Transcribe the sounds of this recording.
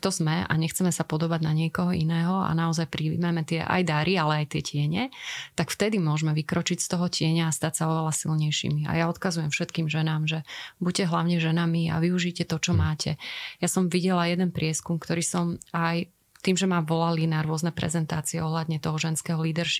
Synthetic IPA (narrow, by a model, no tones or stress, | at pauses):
t̪ɔzmɛa̰ɲɛxt͡sɛmɛsapɔd̪ɔbaɟnaɲɪɛkɔɦɔinɛːɦɔa̰naɔzajpɾimamɛt̪ɪɛʔa̰jd̪aɾʔialɛajt̪ɪɛcɪɛɲɛt̪akft̪ɛd̪imʊɔʒmɛʋikɾɔt͡ʃicst̪ɔɦɔcɪɛɲaːst̪acsaɔʋɛlasilɲɛjʃḭmia̰jaɔt̪kazujɛmfʃɛt̪kiːmʒɛnaːmʒɛbuɟcɛɦlaʊɲɛʒɛnamia̰ʋiuʒicɛt̪ɔt͡ʃɔmaːcʰɛjasɔmʋiɟɛlajɛd̪ɛnpɾɪɛskumkt̪ɔɾiːsɔmaj | t̪iːmʒɛmaʋɔlalinaɾʊɔznɛpɾɛ̰zɛnt̪aːt͡siɛɔɦlad̪ɲɛt̪ɔɦɔʒɛnskɛːɦɔliːd̪ɛɾʃ